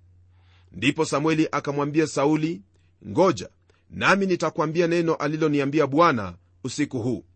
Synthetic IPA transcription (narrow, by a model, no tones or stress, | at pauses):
ndipɔsamwɛliʔakamwambiasauli | ŋɡɔd͡ʒa̰ | naminitakwambianɛnɔʔalilɔniambiaɓwana̰ | usikuɦuː